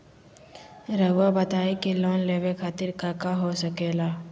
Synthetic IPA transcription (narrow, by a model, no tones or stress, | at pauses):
ɾəwabət̪aːikeloːnleːʋekʰaːt̪ɪɾkakaɦosəkeːlaː